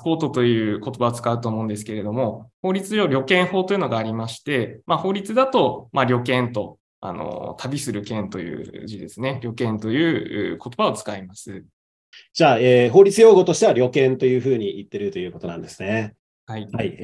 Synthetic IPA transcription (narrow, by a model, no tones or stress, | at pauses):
ho̞ːt̪o̞t̪o̞jɯ̟ːko̞t̪o̞baot͡sɨ̥kaɯ̟t̪o̞ːmo̞ɯ̟̃nd̪es̬ɨ̥ke̞ɾe̞d̪o̞mo̞ho̞ːɾʲit͡sɨjo̞ɾʲo̞kẽ̞ɰ̃ho̞ːt̪o̞jiɯ̟no̞ɡaːɾʲimaɕi̥t̪e̞maho̞ːɾʲit͡sɨd̪at̪o̞maɾʲo̞kẽ̞nt̪o̞ | a̰no̰t̪ʰabʲisɨɾɯ̟kẽnt̪o̞jɯ̟̰ːʑid̪esɨne̞ɾʲo̞kẽ̞nt̪o̞jɯ̟ːɯ̰ːko̞t̪o̞bao̞t͡sɨ̥kaimasɨ | d͡ʑaːeːɦo̞ːɾʲit͡sɨjo̞ːɡo̞t̪o̞ɕi̥t̪e̞βaɾʲo̞kẽ̞nt̪o̞jɯ̟ːɸɯ̟ːɲ̟iit̪ːe̞ɾɯ̟t̪o̞jɯ̟ːko̞t̪o̞nã̰nd̪esɨne | haihai